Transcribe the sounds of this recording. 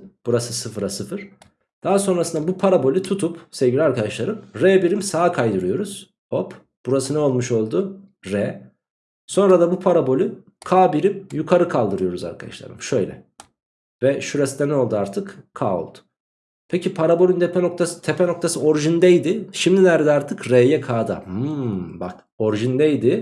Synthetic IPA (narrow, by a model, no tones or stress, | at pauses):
b̥uɾasɯsɯfɾasɯfɯɾ̥ | d̪̥aɦaso̞nɾasɯnd̪abupʰaɾabo̞lʲyt̪ʰut̪ʰupsevɟilʲaɾkad̪aʃlˠaɾɯmɾɛbiɾimsaːkʰajd̪ɯɾɯjo̞ɾuz̥ | op | b̥uɾasɯnɛo̞lˠmuʃo̞lˠd̪uɾɛ | so̞nɾad̪abupʰaɾabo̞lʲy | kʰaːbiɾimjukʰaɾɯkʰalˠd̪ɯɾɯjo̞ɾuza̰ɾkʰad̪a̰ʃlˠa̰ɾɯmʃø̞jlʲɛ̰ | vɛʃuɾast̪ʲɛnɛo̞lˠd̪uaɾt̪ʰɯkkʰːa̰ːo̰lˠd̪̥ʊ̥ | pʰecipʰaɾabolʲynd̪ʰɛpʰɛno̞k̚t̪ʰasɯ̥t̪ʰɛpʰɛno̞k̚t̪ʰasɯo̞ɾiʒind̪ɛjd̪ɪʃimd̪inæɾd̪ɛaɾt̪ʰɯkɾejɛkʰaːd̪a̰hɯmbak | o̞ɾiʒind̪ɛjd̪ɪ